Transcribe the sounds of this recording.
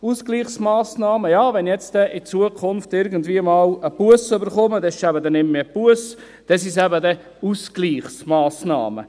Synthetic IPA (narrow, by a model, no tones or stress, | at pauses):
uskliːχsmɑːsnɑːməjɑːʋɛnjɛt͡stɛʔɪt͡suəkʰʊnftɪɾɡənd̪viəmɑːləpuəsøbəɾχɔməd̪ɛsɪʃæbəd̪ɛnɪmmepuəs | d̪̥ɛsɪsæbəd̪ɛ | uskliːχsmɑːsnɑ̰ːmə̰